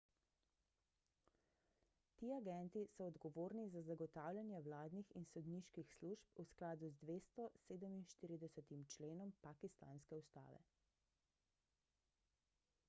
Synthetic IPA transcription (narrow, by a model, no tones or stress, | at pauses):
t̪iːaɡɛnt̪isɔːd̪ɡɔʋoːɾnizazaɡɔt̪aːwlʲjʲanjɛwlaːd̪nixinsɔd̪niːʃkixsluʃpusklaːd̪uzd̪ʋeːst̪ɔseːd̪əminʃt̪iːɾid̪ɛsɛt̪imt͡ʃleːnɔmpakist̪a̰ːnskɛust̪a̰ːʋɛ̰